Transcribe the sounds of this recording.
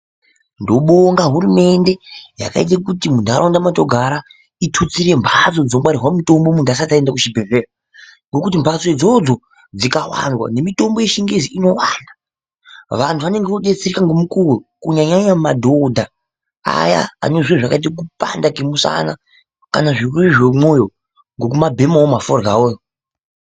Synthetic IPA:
ndo̞ɓoŋɡaɦuɾume̞nde̞ja̰ka̰it̬akutimundaɾandamato̞ɡʱaɾa | itʰut͡siɾe̞mbʰʱat͡so̞d͡ziobwaɾiɦwamito̞mbomuntas̬ataendakuʃibʱe̞rera | ŋɡo̞kut̬imbʱat͡sod͡zo̞d͡zo | d͡zikawa̰nwa̰ne̞mito̞mbo̞je̞ʃiŋɡeziino̞wana | ʋantʰuʋane̞ŋɡeʋoɗe̞t͡serikaŋɡomukuukuɲaɲaɲamadʱo̞dʱa | a̰ja̰a̰no̞ʐieʐakait̬ik̬upa̰ndakemusa̰na | kanaʐirureʐwemo̞jo̞ | ŋɡo̞k̬umabʱe̞mawomaforɡaoːjo

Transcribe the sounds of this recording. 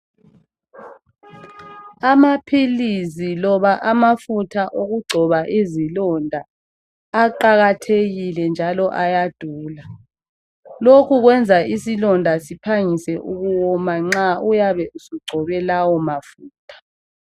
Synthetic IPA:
amapʰilizilɔβaʔamafutʰaʔoɣuɡ͡ǀʱɔβaʔizilɔndʱaː | ǃaɣatʰeɣilɛnd͡ʒʱalɔʔajad̥ʱuːla | lokʰuɣwɛnd͡zʱaʔisilɔndʱasipʰaŋisɛʔuɣuwɔmaŋ͡ǁaujaβɛusuɡ͡ǀʱɔβɛlawɔmafuːtʰḁ

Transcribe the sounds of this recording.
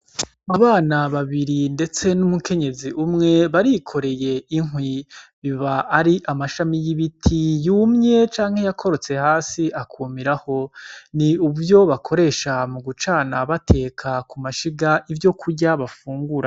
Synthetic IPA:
aβaːnaβaβiɾinde̞t͡se̞numukʰe̞ɲe̞ziʔumŋe̞βaɾikʰo̞ɾe̞je̞iŋwiβiβaʔːɾiʔamaʃamijiβitʰijumɲe̞t͡ʃaːŋhe̞jakʰo̞ɾo̞t͡se̞haːsiʔakʰuːmiɾaho̞niuβvjo̞βakʰo̞ɾe̞ːʃamuɡut͡ʃaːnaβatʰe̞ːkʰakumaʃiɡaʔivjo̞kʰuɾɟaβafuːŋɡuɾa

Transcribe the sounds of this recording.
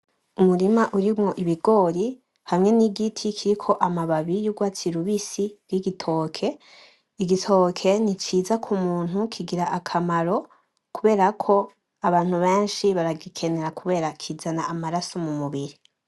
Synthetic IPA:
umuɾimaʔuɾimŋo̞ʔiβiɡo̞ːɾi | hamŋe̞niɡitʰikʰiɾikʰo̞ʔamaβaβijuɡwaːt͡siɾuβisib̥ɡiɡitʰo̞ːkʰe̞ | iɡitʰo̞kʰe̞nit͡ʃiːzakʰumuːn̥hukʰiɡiɾaʔakʰamaɾo̞ | kuβe̞ːɾakʰo̞ | aβaːn̥huβeːnʃiβaɾaɡikʰene̞ɾakʰuβe̞ːɾakʰizanaʔamaɾasomumuβiɾi

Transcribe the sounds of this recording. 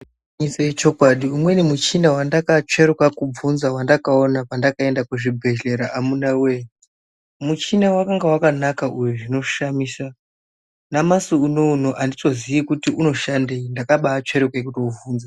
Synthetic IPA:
isaet͡ʃo̞kwaɗiumwe̞nimut͡ʃinawandakat͡ʂe̞ɾekakub͡vunzawandakao̞napandakae̞ndakuʐibʱe̞ɮe̞ɾaʔamunawe | mut͡ʃinawakaŋɡawakanakaujuʐino̞ʃamiːsa | namasuunouno̞ʔandito̞zijikutiʔuno̞ʃandeindakaɓaːt͡ʂe̞ɾekekutouvuːnza

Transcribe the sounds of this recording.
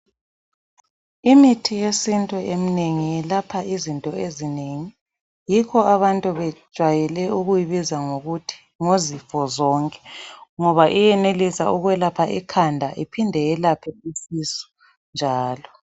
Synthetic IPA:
imitʰijesintʼuʔemineŋijɛlapʰaizintʼɔezineŋi | jikʰɔaβantʼuβɛ̥ʒ̥ʱwajɛlɛuɣujiβizaŋoɣutʰi̥ | ŋozifɔzɔŋkʼɛ̥ŋɔβaʔijɛnelisauɣwɛlapʰaʔikʰandʱaʔipʰindʱɛjɛlapʰɛisisu̥ | nd͡ʒʱaːlɔ

